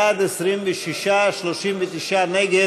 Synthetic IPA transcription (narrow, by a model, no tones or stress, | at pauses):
ad̪ɛsɾimvɛʃiʃaʃloʃimvɛt̪iʃanɛɡe